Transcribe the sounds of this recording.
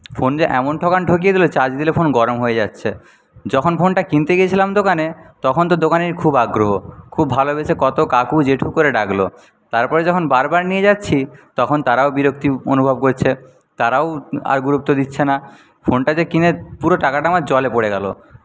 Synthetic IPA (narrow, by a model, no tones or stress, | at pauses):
fond͡ʑeʔɛmonʈʰɔkanʈʰokijed̪ilot͡ɕad͡ʑd̪ilefʰonɡɔɾomɦoed͡ʑatːɕʰe | d͡ʑɔkʰonfonʈakint̪eɡijet͡ɕʰilamd̪okanet̪ɔkʰont̪od̪okaneɾkʰubaɡɾoɦokʰubːʱalobet͡ɕʰekɔt̪okakud͡ʑeʈʰukoɾeɖaɡlo̰ | t̪aɾpɔɾed͡ʑɔkʰonbaɾbaɾnijed͡ʑatːɕʰit̪ɔkʰont̪aɾaobiɾokt̪io̰nubʱob̚koɾt͡ɕʰe | t̪aɾaoa̰ɾɡuɾup̚t̪od̪itːɕʰena | fʰonʈad͡ʑekinepuɾoʈakaʈamad͡ʑɔlepoɽeɡɛlo̰